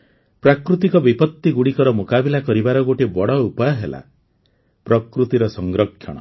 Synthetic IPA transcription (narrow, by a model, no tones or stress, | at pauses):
pɾakɾut̪ikɔbipɔt̪ːiɡuɽikɔɾɔmokabilakɔɾibaɾɔɡoʈibɔɽɔupajɔɦela̰ | pɾɔkɾut̪iɾɔsɔŋɡɾɔkʰːjɔ̰ɽ̃ɔ̰